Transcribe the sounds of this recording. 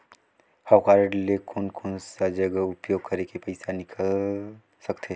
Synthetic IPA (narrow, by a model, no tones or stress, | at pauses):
hawkaːɾəɖlekʰoːnkʰoːnsad͡ʒəɡəʊpjoːɡ̚kəɾekepɐɪsanɪkʰəl | səkt̪ʰe